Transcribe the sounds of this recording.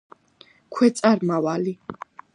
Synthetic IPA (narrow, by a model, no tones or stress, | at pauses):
kʰwɛt̪sʼaɾmawali